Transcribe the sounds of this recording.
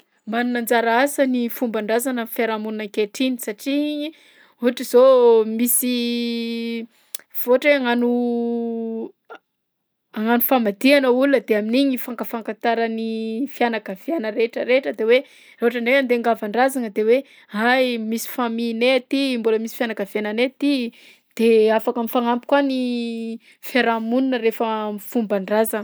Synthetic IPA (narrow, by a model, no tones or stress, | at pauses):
manunand͡zaɾaasənifumbaɳɖ͡ʐazanafeɾamununaŋkeʈ͡ʂinisaʈ͡ʂiiɲi | uɦaʈ͡ʂizomisi | v̥oaʈ͡ʂeaŋanu | aŋanufamad̪ianəulunəd̪eaminiɲifaŋkəfaŋkat̪aɾənifjanakav̥ianəɾeʈ͡ʂəɾeʈ͡ʂəd̪ewe | ɾreoaʈ͡ʂaɳɖ͡ʐeand̪eaŋɡavaɳɖ͡ʐazaŋəd̪ewe | ɦajmisi̥famineat̪imboləmisi̥fjanakavananet̪i | d̪̥eafakamifaŋampi̥kwani | feɾamununəɾefəmifumbaɳɖ͡ʐaza